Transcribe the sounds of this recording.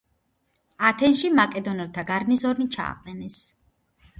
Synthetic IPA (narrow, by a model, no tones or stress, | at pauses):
at̪ʰɛnʃimakʼɛd̪ɔnɛlˠt̪ʰaɡaɾnisɔɾnit͡ʃʰa̰ːqʼɛnɛs